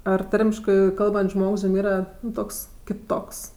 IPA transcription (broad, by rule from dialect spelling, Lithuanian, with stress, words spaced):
ˈɐr ˈtɐrʲmʲɪʃkɜ ˈkɐlˠbɐnʲtʲsʲ ˈʒmoːks jʊm ˈiːrɐ ˈtoːks kʲɪˈtoːks